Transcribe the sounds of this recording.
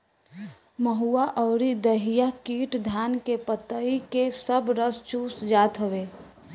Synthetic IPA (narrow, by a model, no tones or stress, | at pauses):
məɦuaʔɔʊɾid̪əɦijakiːʈd̪ʱjaːnkepət̪əikesəbɾəst͡ʃuːsd͡ʒaːt̪ɦəʋeː